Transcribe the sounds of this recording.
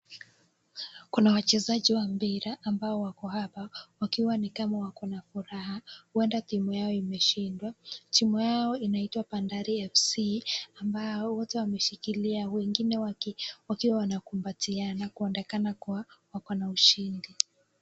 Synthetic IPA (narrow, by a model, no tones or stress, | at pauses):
kunawat͡ʃɛzaʄiwambiɾaʔːmbaɔwakɔhapawakiwanikamawakɔnafuɾahahuɛndaθimujaɔimɛʃindwatimujaɔinaitwapandaɾiɛfsiambaɔwɔtɛwamɛʃikiliawɛŋɡinɛwawakiwawanakumbatianakuɛndɛkanakuwawakɔnauʃindi